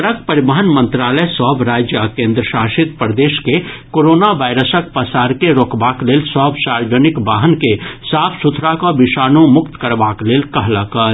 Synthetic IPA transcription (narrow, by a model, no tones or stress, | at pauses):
ɾəkpəɾibəɦənmə̃nt̪ɾaːləsɔɦbʱɾaːd͡ʒjəkẽːnd̪ɾəʃaːʃɪt̪̚pɾəd̪eːʃkekoːɾoːnaʋaːɪɾəsək̚pəsaːɾkeɾoːkbaːkleːlsɔɦbʱsaːɾd͡ʒənɪkbaːɦənkesaːpʰsut̪ʰɾakobɪʃaːnõmʊkt̪kəɾbaːkleːlkɐɦlakə